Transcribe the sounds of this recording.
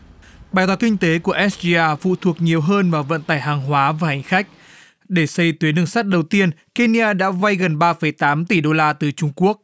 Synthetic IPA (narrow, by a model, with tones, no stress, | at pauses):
ɓaː˨˩jt̪waː˨˦kï˧ŋ̟t̪e˨˦ku˧˩əʔɛ˦˥s̚zi˧ʔaː˧fṵ˧˨t̪ʰu˨˩ək̚ɲi˨˩əwɦəː˧nvaː˨˩wvə̰˧˨nt̪aː˨˩jɦaː˨˩ŋɦwaː˨˦vaː˨˩ha˨˩jŋ̟xa˦˥k̟̚ | ɗe˧˩sə˧jt̪wi˨˦nɨ˧əŋsa˦˥t̚ɗə˨˩wt̪i˧ənke˧ni˧ʔaː˧ɗa̰ː˧˥va˧jɣə˨˩nɓaː˧fə˧˩jt̪aː˨˦mt̪i˧˩ɗo˧laː˧t̪ɨ˨˩t͡ɕʊ˧ŋ͡mku˦˥ək̚